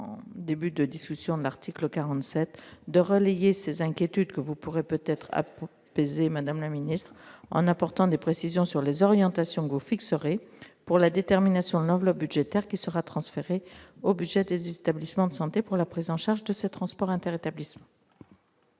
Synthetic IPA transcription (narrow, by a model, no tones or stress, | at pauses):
d̪ebyd̪əd̪iskʲysjɔ̃d̪əlaʁt̪ʰikləkaʁɑ̃t̪sɛt̪d̪əʁəlejesezɛ̃kʲjet̪yd̪kəvupuʁepøt̪ɛt̪χa̰ | pezemad̪amlaminist̪χɑ̰̃napɔʁt̪ɑ̃d̪epχesizjɔ̃syʁlezɔʁjɑ̃t̪asjɔ̃kəvufiksəʁepuʁlad̪et̪ɛʁminasjɔ̃d̪əlɑ̃vlɔp̚byd̪ʒet̪ɛʁkʲisəʁat̪χɑ̃sfeʁeobyd̪ʒɛd̪ezet̪ablismɑ̃d̪əsɑ̃t̪epuʁlapχizɑ̃ʃaʁʒd̪əset̪χɑ̃spɔʁɛ̃t̪ɛʁet̪ablismɑ̃